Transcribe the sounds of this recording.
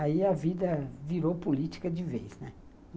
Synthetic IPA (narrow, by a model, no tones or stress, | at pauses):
aiɐvid̪ɐviɾowpulit͡ʃi̥kɐd͡ʒɪvejznɛ